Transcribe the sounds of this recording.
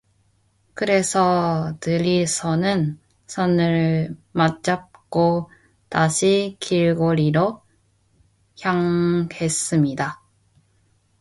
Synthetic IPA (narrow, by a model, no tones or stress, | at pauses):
kɯɾe̞sʰʌtɯɾisʰʌnɯn | sʰʌnɯɭmat͡ɕ͈ap̚k͈o | taɕʰikiɭɡoɾiɾo | çjaŋe̞s͈ɯmɲida